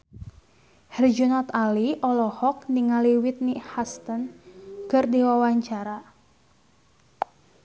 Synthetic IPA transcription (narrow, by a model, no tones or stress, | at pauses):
hɛrd͡ʒunɔt̪aliʔɔlɔhɔk̚niŋaliwit̪̚nihast̪ənkərdiwawaɲt͡ʃaɾa